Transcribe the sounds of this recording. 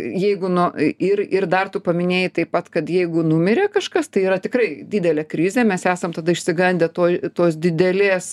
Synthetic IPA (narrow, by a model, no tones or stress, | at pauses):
jɛɪɡʊnʊɪrɪrd̪ɐrt̪ʊpɐmʲɪnʲeːjɪt̪ɐɪppɐt̪kɐt̪jɛɪɡʊnʊmʲɪɾʲeːkɐʃkɐst̪ɐɪiːɾɐt̪ʲɪkɾɐɪdʲiːd̪ʲɛlʲeːkɾʲɪzʲɛmʲɛsæːsɐmt̪ɐd̪ɐɪʃʲsʲɪɡɐnʲd̪ʲɛt̪oːt̪oːsd̪ʲɪd̪ʲɛlʲeːs